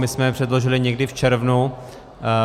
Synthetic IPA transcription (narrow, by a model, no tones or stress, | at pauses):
mɪsmɛpr̝̥ɛdloʒɪlɪɲɛɡdɪft͡ʃɛɾvnu